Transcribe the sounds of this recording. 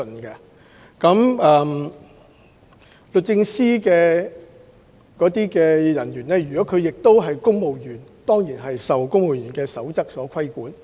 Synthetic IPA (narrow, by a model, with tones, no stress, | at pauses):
nkɛ˧ | kɐ˨˥mɛː˨˧m | lɵ˨t̚t͡sɪ˧ŋsiː˥kɛː˧ | kɔː˨˥t̪iː˥kɛː˧jɐ˨˩njyː˨˩nɛː˥jyː˨˩kɔː˨˥kʰɵ˨˧ɥjɪ˨k̚t̪o˥wɦɐ˨jkʊ˥ŋmo˨wjyː˨˩nt̪ɔː˥ŋjiː˨˩nɦɐ˨jsɐ˨wkʊ˥ŋmo˨wjyː˨˩nkɛː˧sɐ˨˥wt͡sɐ˥k̚sɔː˨˥kʰɐ˥jkuː˨˥n